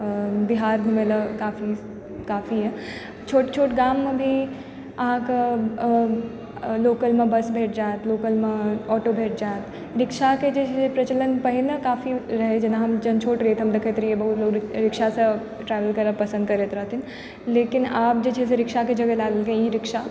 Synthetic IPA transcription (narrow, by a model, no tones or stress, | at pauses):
bɪɦaːɾɡʱumeləkaːfʰi | kaːfʰiɦɛ | t͡ʃʰoːʈt͡ʃʰoːʈɡaːmːẽbʱi | ɐɦãkə | loːkəlmẽbɐsbʱeːʈ̚d͡ʒaːet̪loːkəlmẽɔːʈobʱeːʈ̚d͡ʒaːet̪ | ɾɪkʃaked͡ʒeepɾɐt͡ʃələnpɐɦɪnɐkaːfʰiɾɐɦed͡ʒenãɦɐmd͡ʒɐnt͡ʃʰoːʈɾeːt̪ɦɐmd̪ekʰet̪ɾiebɐɦut̪loːɡɾɪkʃasɐ̃ | ʈɾɛːʋəlkɐɾəpɐsənd̪kɐɾet̪ɾɐɦt̪ʰɪn | leːkɪnaːp̚d͡ʒet͡ʃʰeseɾɪkʃaked͡ʒɐɡəlaːɡəlkẽjiɾɪkʃa